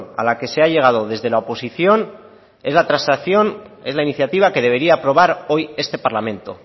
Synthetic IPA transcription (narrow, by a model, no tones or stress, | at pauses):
a̰lake̞se̞aʎe̞ɣ̞að̞o̞ðe̞zðe̞laopo̞siθjo̞n | e̞zlat̪ɾansaθjo̞ne̞zlainiθjat̪iβ̞ake̞ðe̞β̞e̞ɾiaːpɾo̞β̞aɾo̞je̞st̪e̞paɾlamẽ̞nt̪o̞